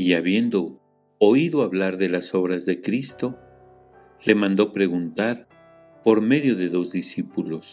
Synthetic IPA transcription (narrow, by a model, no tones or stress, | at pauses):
iaβje̞nd̪o̞ | oiðo̞aβlaɾðe̞laso̞βɾazðe̞kɾist̪o̞ | le̞mãnd̪o̞pɾe̞ɣunt̪aɾ | po̞ɾme̞ðjo̞ðe̞ðo̞zðisipulo̞s